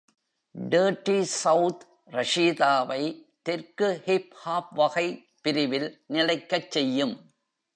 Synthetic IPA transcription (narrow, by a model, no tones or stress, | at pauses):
ɖeːʈːisɐʊt̪ | ɾɐʂiːðaːʋɐɪt̪ɛɾkɯhɪphaːp̚ʋɐɣɐɪ | pɪɾɪʋɪlnɪlɐɪkːɐt͡ʃːɛjːɯm